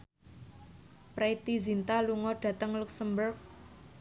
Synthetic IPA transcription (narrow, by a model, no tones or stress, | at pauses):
pɾeit̪izint̪aluŋɔɖ̥ä̤t̪əŋluksəmbərk̚